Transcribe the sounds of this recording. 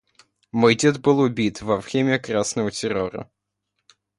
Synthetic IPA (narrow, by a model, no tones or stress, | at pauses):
mojdʲed̪bɨlˠʊbʲit̪vɐfxʲemʲɪəkɾasnəvətʲɪɾoɾə̰